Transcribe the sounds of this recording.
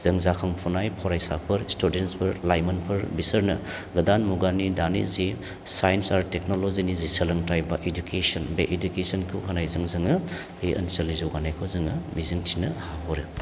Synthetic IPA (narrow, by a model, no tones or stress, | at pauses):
z̥ɐŋzakʰɐŋpʰunajpʰɔɾajsapʰɐɾstudenspʰɐɾlajmɐnpʰɐɾbisɐɾnɐ̰ | ɡɐdanmuɡanidanḭzi | sajnsaɾteknolozinizisɐlɐŋtajbaʔedukesɐnbeʔedukesɐnkʰuwhʰɐnajzɐŋzɯŋɐ | eʔɐ̰nsɐlizɔwɡanajkʰozɯŋɐmizɯŋtʰinɐhaɦɔɾɯ